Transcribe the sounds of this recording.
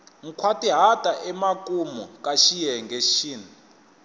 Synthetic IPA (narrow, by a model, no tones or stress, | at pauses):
ŋ̩kʰwatʼiɦatʼaʔɛmakʼumɔkʼaʃijɛŋɡʱeʃiːni